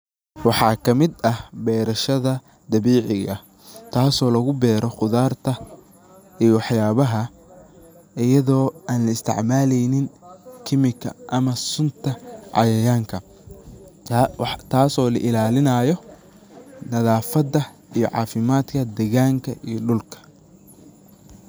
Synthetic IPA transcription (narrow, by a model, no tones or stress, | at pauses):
wɑħɑːkʰɐmɪd̪ɐhbɛːɾɐʃɐðɐ | d̪ɐβiːʕɪɣɐ̰ | t̪ʰaːsɔːlɐɣʊbɛːɾɔqʊðaːrt̪ʰɐ | ijɔwɑħjaːβɐɦɐ | ɪjɐðɔːaːnlɐɪst̪ʰɪ̰ʕmaːlɛjnɪŋkʰɪmɪkʰɐ̰ʔɐmɐsʊnt̪ʰɐʕɑ̰jɐjaːŋkʰɐ | t̪ʰaːsɔːlɐ̰ʔɪlaːlɪnɐːjɔ | nɐðaːfɐdɐ | ijɔ̰ʕɑ̰ːfɪmaːd̪kʰɐd̪ɛɣaːŋkʰɐʔijɔɖʊlkʰɐ̥